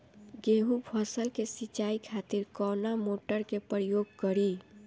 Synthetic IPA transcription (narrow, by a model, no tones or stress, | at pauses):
ɡeɦupʰʌsəlkesit͡ʃaikʰat̪iɾkɔnamoʈəɾkepɾəjoɡ̚kəɾi